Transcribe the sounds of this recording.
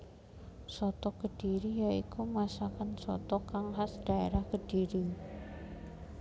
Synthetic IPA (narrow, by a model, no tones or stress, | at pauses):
sɔt̪ɔkəd̥iɾijaikumasakansɔ̰t̪ɔkaŋɦasd̥a̤ḛɾahkəd̥iɾi